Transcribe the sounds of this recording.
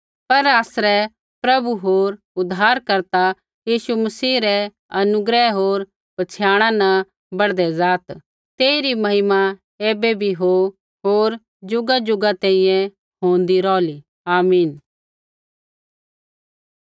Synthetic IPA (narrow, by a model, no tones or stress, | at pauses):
pɐɾaːsɾɛ | pɾɐbuɦoːɾ | ʊd̪ʱːaːɾkɐɾt̪a | jiːʃumɐsiːɾɛ | ɐnʊɡɾɛɦoːɾ | bɐt͡ʃʰjaːɽ̃ãnɐ̃ | bɐɽd̪ɛzaːt̪ | t̪eːiɾimɐɦɪma | eːbɛbʱiɦo | ɦoːɾ | d͡ʒʊɡad͡ʒʊɡat̪ɛ̃ːĩjɛ̃ | ɦõːnd̪iɾɔːli | aːmiːn